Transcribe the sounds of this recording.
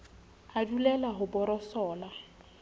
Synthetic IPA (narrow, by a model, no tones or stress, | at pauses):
adulɛlaɦʊbʊɾɔsɔːla